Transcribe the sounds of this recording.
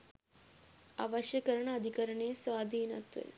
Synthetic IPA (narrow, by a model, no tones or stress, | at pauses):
aʋɐʃjɐkɐɾɐɳɐːd̪ʱikɐɾɐɳeːsʋaːd̪ʱiːnɐt̪ʋɐ̰l